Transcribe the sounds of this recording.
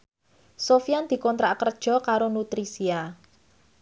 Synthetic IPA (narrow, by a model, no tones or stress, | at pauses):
sofiand̪̥i̤kɔnt̪ɾaʔkərd̥ʒ̥ɔ̤kaɾonut̪ɾisia